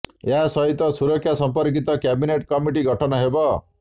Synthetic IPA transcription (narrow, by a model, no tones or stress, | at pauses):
jasʌɦit̪ːʌsuɾʌkʰːjasʌmpʌɾk̬it̪ʌkjabineʈkʌmiʈ̬iɡʱʌʈʰʌnʌɦebʌ